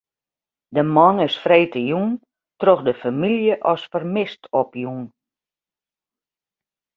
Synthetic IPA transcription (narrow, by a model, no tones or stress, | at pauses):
dəmɔnɪsfreːtəjun | troxdəfamiljəʔɔsfərmɪstʰɔpjun